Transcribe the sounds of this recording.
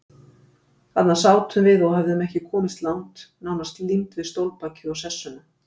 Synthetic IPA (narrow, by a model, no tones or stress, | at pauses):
at̪nḁsaːwt̪ʰʏmvɪðɔɣɦɛvðʏmɛhcɪkʰɔːmɪst̪lawŋt̪naːwnast̪limt̪vɪðst̪owlpaːcɪɔwsɛsːʏnʏ